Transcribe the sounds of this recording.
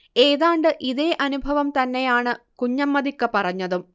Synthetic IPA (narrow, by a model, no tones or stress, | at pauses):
eːðaːɳɖɨʔiðe̞ːʔɐnubʱɐʋɐmt̪ɐnːe̞jaːɳɨ | kuɲːɐmːɐðikːɐpɐrɐɲːɐðum